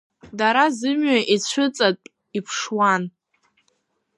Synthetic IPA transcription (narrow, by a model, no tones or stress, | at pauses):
daɾazɨmɥaʔit͡ɕʷʰɨt͡sʼatʼ | ipʰʂwan